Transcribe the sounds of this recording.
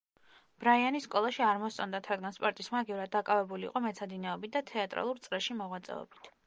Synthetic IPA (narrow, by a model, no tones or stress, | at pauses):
b̥ɾaianisːkʼɔlˠaʃiaɾmɔssʰʼɔnd̪at̪ʰɾad̪ɡanspʼɔɾt̪ʼismaːɡɛvuɾad̪̚d̪ːakʼavɛbulḭːqʼɔmɛt̪sʰad̪inɛɔbit̪̚ʰd̪at̪ʰɛat̪ʼɾa̰lˠuɾt̪sʼɾɛʃimɔʁwat̪sʼɛ̰ɔ̰bit̪ʰ